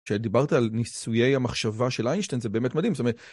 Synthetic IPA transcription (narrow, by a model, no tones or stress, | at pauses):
ʃed̪ibaʁt̪aalnisuje̞jamaχʃavaʃelʔajnʃt̪enzebe̞ːmetmad̪imsotomeet